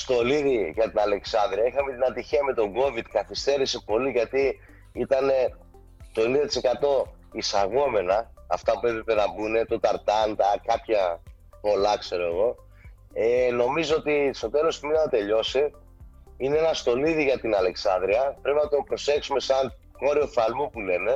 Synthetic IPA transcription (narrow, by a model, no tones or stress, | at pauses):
st̪o̞liðiʝɐt̪inɐle̞ksɐnd̪ɾiɐixɐmet̪inɐt̪içiɐme̞t̪o̞ɡo̞vid̪kɐθist̪e̞ɾisepo̞liʝɐt̪i | it̪ɐne̞ | t̪o̞e̞nind̪ɐt̪ise̞kɐt̪o̞ | isɐɣo̞me̞nɐː | ft̪ɐpue̞pɾepe̞nɐbune̞t̪o̞t̪ɐɾt̪ɐnd̪ɐkɐpçɐ | po̞lɐkse̞ɾo̞e̞ɣo̞ | eno̞mizoot̪ist̪o̞t̪e̞lo̞st̪iminɐnɐt̪e̞ʎo̞si | ineenɐst̪o̞niðiʝɐt̪inɐle̞ksɐnd̪ɾiɐpɾe̞pinɐt̪o̞pɾo̞se̞ksume̞sɐn | ko̞ɾio̞fɐlmupule̞ne̞